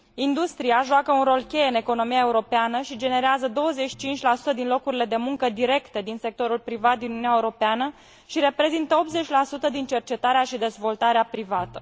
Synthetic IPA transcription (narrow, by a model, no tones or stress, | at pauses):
ind̪ust̪ɾiaʒoakəunro̞lkʲe̞jeɨne̞ko̞no̞mijae̞uɾo̞peanəʃid͡ʒe̞ne̞ɾeazəd̪o̞wəze̞t͡ʃi̥t͡ʃint͡ʃʲlasu̥t̪əd̪inlo̞kuɾile̞d̪e̞muŋkəd̪iɾe̞kt̪ed̪inse̞k̚t̪o̞ɾulpɾivat̪̚d̪inununʲaeuɾo̞peanə | ʃiɾe̞pɾe̞zint̪əo̞p̪̚ze̞t͡ʃʲlasut̪əd̪int͡ʃe̞rt͡ʃe̞t̪aɾeaʃid̪e̞zvo̞lt̪aɾeapɾivat̪ə̥